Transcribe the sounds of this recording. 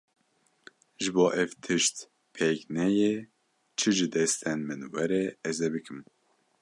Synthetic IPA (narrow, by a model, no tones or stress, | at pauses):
ʒɨboːʔɛvt̪ʰɨʃt̪ | pʰeknɛje | t͡ʃʰɨʒɨd̪ɛst̪ʰɛnmɨnwɛɾɛɛzɛbɨkʰɨm